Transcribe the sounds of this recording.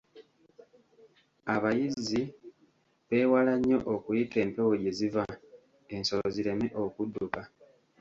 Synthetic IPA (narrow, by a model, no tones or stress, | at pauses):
aβajizi | βe̞ːwalaɲːo̞ʔokujite̞ːmpe̞woɟe̞ziva | e̞nso̞ziɾe̞miʔokudːuka